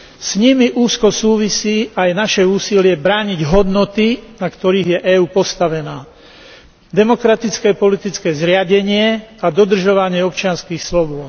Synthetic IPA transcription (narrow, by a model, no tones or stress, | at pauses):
sɲimiʔuːskɔsuːʋisiːʔajnaʃɛuːsilɪɛbɾaːɲiɟɦɔd̪nɔt̪inakt̪ɔɾiːɣjɛʔɛːuːpɔst̪aʋɛnaː | d̪ɛmɔkɾat̪it͡skɛːpɔlit̪it͡skɛːzɾɪaɟɛɲɪɛad̪ɔd̪r̩ʒɔʋaɲɪɛɔpt͡ʃɪanskiːxslɔbɔ